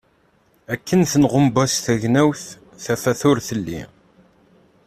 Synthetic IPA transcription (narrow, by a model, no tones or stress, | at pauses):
ækːənθənʁəmbæsθæʝnæwθ | θæfæθʊɾθəlːḭ